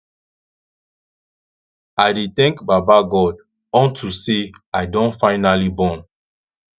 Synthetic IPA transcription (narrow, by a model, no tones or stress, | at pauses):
aɪdet̪ɛ̃ŋkbabaɡɔd | ɔ̃ntʰuseaɪdɔ̃nfaɪnalibɔ̃n